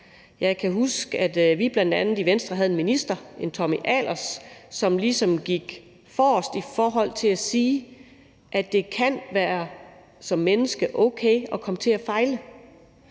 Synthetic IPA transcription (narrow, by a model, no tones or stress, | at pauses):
jɑ̈ɪkʰæɦusɡ̥æd̥ʋib̥lænd̥ænð̩ˠiʋensd̥ʁɐɦæð̞̩ˠe̝nminisd̥ɐe̝nt͡sʰɒ̽miʔæl̰ʔɐsːɒ̽mlisɒ̽mɡ̥iɡ̥ | fɒːsd̥ifɒːɦɒ̽l̰t͡sʰe̝læsiː | ʔædd̥e̝kʰæn̰ʋæːɐ | sɒ̽mːenəsɡ̥əʔɔ̽ʊkʰeɪɒ̽kʰɒ̽mət͡sʰe̝æfɑ̈ɪlə